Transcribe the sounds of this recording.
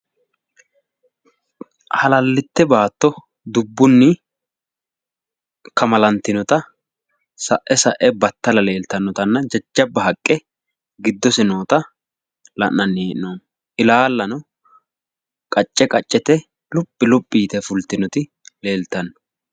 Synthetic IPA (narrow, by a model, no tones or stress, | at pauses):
hɐlɐlːɪt̪ːɛbaːt̪ːɔ | d̪ʊbːʊnːɪ | kɐmɐlɐnt̪ːɪnɔt̪ɐ | sɐʔɛsɐʔɛbɐt̪ːɐlɐle̞ːlt̪ɐnːɔt̪ɐnːɐd͡ʒɐd͡ʒːɐbːɐɦɐkʼːɛ | ɡɪd̪ːɔsɪno̞ːt̪ɐ | lɐ̰ʔnɐnːeːʔɪnoːn | ʔɪlaːlːɐnɔ | kʼɐt͡ʃʼːɛkʼɐt͡ʃʼːɛt̪ɛ | lʊpʼːɪlʊpʼːiːt̪ɛfʊlt̪ɪnɔt̪ɪ | le̞ːlt̪ɐnːɔ̥